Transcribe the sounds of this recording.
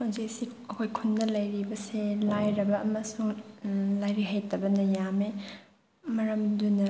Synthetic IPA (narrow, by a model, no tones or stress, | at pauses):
mazisiɐkʰojkʰunːɐlɐjɾibɐselajɾɐbɐːmɐsuŋlajɾiɦajtɐbɐnɐjame | mɐɾɐmdunɐ